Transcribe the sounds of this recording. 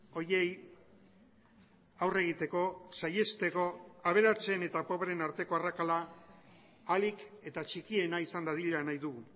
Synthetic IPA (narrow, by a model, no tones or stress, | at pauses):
o̞ɾe̞j | awre̞ɣ̞it̪e̞ko̞saje̞st̪e̞ko̞aβ̞e̞ɾat͡se̞ne̞t̪apo̞βeɾe̞naɾt̪e̞ko̞arakalaː | like̞t̪at͡ʃikie̞naisand̪aðiʎanajðuɣu